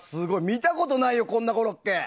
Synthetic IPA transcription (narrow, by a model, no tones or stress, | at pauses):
sɨɡo̞imʲit̪ako̞t̪o̞naijo̞kõ̞nːako̞ɾokːe